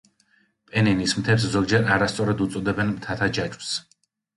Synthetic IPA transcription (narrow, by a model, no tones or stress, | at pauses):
pʼɛninismt̪ʰɛps̬zɔɡ̚d͡ʒɛɾaɾast̪sʼɔɾad̪ut̪sʼɔd̪ɛbɛnmt̪ʰat̪ʰad͡ʒad͡ʒʼws